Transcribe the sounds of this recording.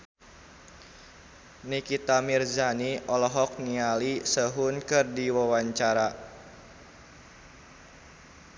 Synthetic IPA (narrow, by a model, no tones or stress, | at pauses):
nikit̪amirzaniɔlɔɦɔk̚nialisəɦʊnkɨrdiwawaɲt͡ʃaɾa